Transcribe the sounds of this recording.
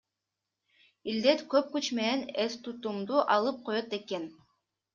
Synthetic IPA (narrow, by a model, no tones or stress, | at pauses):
ild̪et̪køp̚kyt͡ʃme̞ne̞nest̪ut̪umd̪uʔɑlˠɯp̚qʰo̞jot̪e̞ke̞n